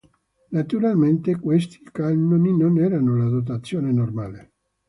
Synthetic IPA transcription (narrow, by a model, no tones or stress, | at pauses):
nat̪uɾalment̪ekwest̪ikalnoninonɛɾanolad̪ot̪̬at̪sːjoːnenormaːle